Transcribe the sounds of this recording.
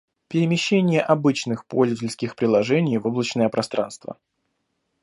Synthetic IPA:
pʲɪɾʲɪmʲɪɕːenʲɪjəʔɐbɨt͡ɕnɨxpolʲzvətʲɪlʲskʲɪxpɾʲɪlˠɐʐɛnʲɪjvoblˠət͡ɕnəjəpɾʔɐst̪ɾa̰nst̪və̰

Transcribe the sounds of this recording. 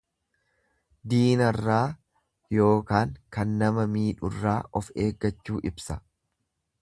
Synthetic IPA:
d̪iːnɐrːaː | jo̞ːkaːŋkɐnːɐmɐmiːᶑʊrːaːʔɔfe̞ːɡːɐt͡ʃːuːʔɪbsɐ

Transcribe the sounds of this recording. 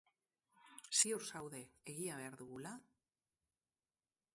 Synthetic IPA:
sioɾsawðe̞eɣiaβ̞e̞aɾðuɣula

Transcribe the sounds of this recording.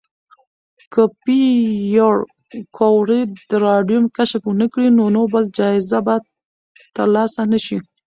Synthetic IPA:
kəpijoɽ | kʰowɾed̪əɾɑɖjumkaʃakwənəkɽinonobald͡ʒɑɪzabad̪ | t̪ːəɾlɑsanəʃi

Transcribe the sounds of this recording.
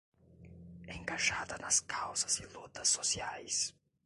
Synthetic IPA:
ẽŋkaʒad̪ɐnɐskʰawzɐzilut̪ɐsːosiajs

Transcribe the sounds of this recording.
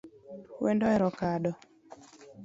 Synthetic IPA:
wɛndɔɛɾɔkaɗɔ

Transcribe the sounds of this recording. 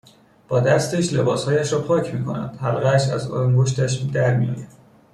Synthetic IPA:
b̥ɒːd̪æst̪eʃle̞bɒːshɒːjæʃɾɒːpʰɒːcʰmiːkʰo̞næ̰nd̪̥hælɣæʃæzo̰ŋɡoʃ̬t̪æʃd̪æɾmijɒ̰ːjæd̪̥

